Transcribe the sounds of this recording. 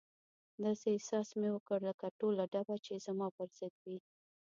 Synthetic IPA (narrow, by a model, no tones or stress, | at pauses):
d̪ɑsesɑsmewəkəɽləkaʈolaɖabat͡ʃez̥amɑpəɾz̥ɪd̪wi